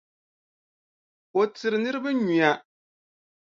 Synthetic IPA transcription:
o˨tɨ˨ɾɨ˨nɨ˦ɾɨ˦ba˦ɲi˨a˨

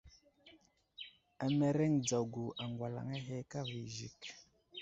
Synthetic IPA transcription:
a˨mɛ˨ɾɛ˦ŋd͡za˨ɡu˨ʔa˨ŋɡwa˨la̰˨ŋɛ˦ɦɛ˦ka˦vi˨ʒḭ˨k

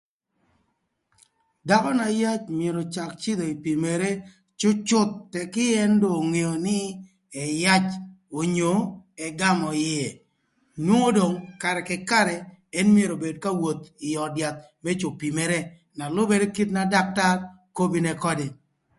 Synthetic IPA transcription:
da˦kɔ˦na˨ja˦t͡ʃmje˨ɾo˨t͡ʃa˨kt͡ʃɪ˦d̪o˨i˨pi˨me˨ɾe˦ | t͡ʃʊ˦t͡ʃʊ˦t̪̚ːɛ˨kɪ˦ɛ˦ndo˨ŋe˨o˨nɪ˦ | ɛ˨ja˦t͡ʃ | o˨ɲo˨ɛ˨ɡa˦mɔ˨jɪɛ˨ | nwo˦ŋo˦do˨ŋka˨ɾɛ˨kɪ˨ka˦ɾɛ˨ | ɛ˦nm˦e˨ɾo˨be˨dka˦wo˨t̪ɪ˨ɔ˨dja˨t̪̚ | mɛ˦t͡ʃo˨pi˨me˨ɾe˦ | na˨lʊ˦be˦de˦ki˦t̪̚na˦da˦k̚ta˦r | ko˦bi˦nɛ˨kɔ˦de˨

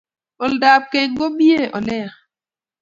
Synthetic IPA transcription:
ɔ˨lda˨p̚ke˦˨ŋ˦ɡo˦bi˦e˦˨ʔɔ˨lɛ˦a˨

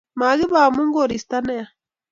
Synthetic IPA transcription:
ma˨ɣi˦βaː˨mu˦ŋɡo˦˨ɾi˨st̪a˦ne˦a˨

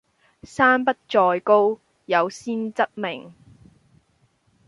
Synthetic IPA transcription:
saː˥npɐ˥t̚t͡ʃɔː˧jko˥w | jɐ˨˧wsiː˥nt͡sɐ˥t̚mɪ˨˩ŋ

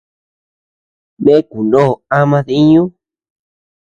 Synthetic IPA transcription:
mẽ˦ku˨nõː˦˨a˦mã˦˧ði˦ɲũ˦

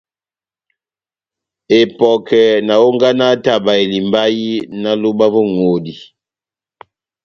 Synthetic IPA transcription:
e˨pɔ˨kɛ˨na˨o˦ŋ˦ɡa˦na˦ta˦˨ba˨e˨li˨mba˦ji˦na˦lo˦ba˦vɔ˦ŋo˨di˨

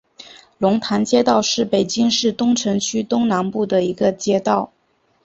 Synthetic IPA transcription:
lʊ˧˥ŋt̪ʰa˧˥nt͡ɕjɛ˥t̪ɑ˥˧ʊʂɻ̩˥˩pe˨˩ɪt͡ɕi˥ŋʂɻ̩˥˩t̪ʊ˥ŋʈ͡ʂʰɤ˧˥ŋt͡ɕʰy˥t̪ʊ˥ŋna˧˥npu˥˩d̪ə˩i˧˥ɡə˧t͡ɕjɛ˥t̪ɑ˥˩ʊ

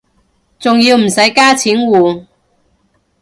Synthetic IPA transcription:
t͡sʊ˨ŋjiː˧wm̩˨˩sɐ˨˥jkaː˥t͡sʰiː˨˥nwuː˨˧

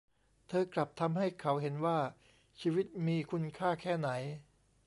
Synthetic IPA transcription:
t̪ʰɤː˧kla˨˩p̚t̪ʰa˧mha˥˩jkʰa˩˦wɦe˩˦nwaː˥˩ | t͡ɕʰiː˧wi˦˥t̪̚miː˧kʰu˧nkʰaː˥˩kʰɛː˥˩na˩˦j

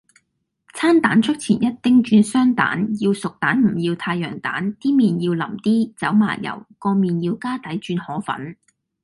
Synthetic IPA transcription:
t͡sʰaː˥nt̪aː˨˥nt͡ʃʰɵ˥k̚t͡sʰiː˨˩njɐ˥t̚t̪ɪ˥ŋt͡ʃyː˧nsœː˥ŋt̪a̰ː˨˥njiː˧wsʊ˨k̚t̪aː˨˥nm̩˨˩jiː˧wt̪ʰaː˧jːœː˨˩ŋt̪a̰ː˨˥nt̪iː˥miː˨˩njiː˧wlɐ̰˨˩mt̪iː˥t͡sɐ˨˥wma̰ː˨˩jɐ̰˨˩wkɔː˧miː˨njiː˧wkaː˥t̪ɐ˨˥jt͡ʃyː˧nhɔː˨˥fɐ̰˨˥n

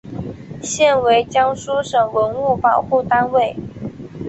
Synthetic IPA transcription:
ɕjɛ˥˩nwe˧˥ɪt͡ɕjɑ˥ŋʂu˥ʂɤ˨˩ŋwə˧˥nu˥˩pɑ˨˩ʊxu˥˩t̪a˥nwe˥˩ɪ

